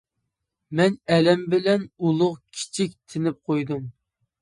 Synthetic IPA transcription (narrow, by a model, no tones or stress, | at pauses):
mɛnɛlɛmbɪlɛnulˠʊʁkʲʰi̥t͡ʃʰik̚ʲt̪ʰɪnɪp̚qʰojd̪um